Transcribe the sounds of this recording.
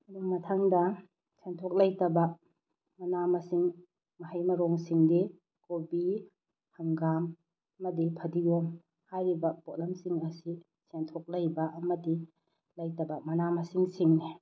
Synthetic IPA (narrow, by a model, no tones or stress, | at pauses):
mɐduŋmɐtʰaŋdɐ | sentʰɔk̚lɐjtɐbɐ | mɐnamɐsiŋ | mɐɦajmɐɾɔŋsiŋdi | kobi | haŋɡam | ɐmɐdipʰɐdiɡɔm | hajɾibɐpot̚lɐmsiŋɐsi | sentʰɔk̚lɐjbɐʔɐmɐdi | lɐjtɐbɐmɐnamɐsiŋsiŋni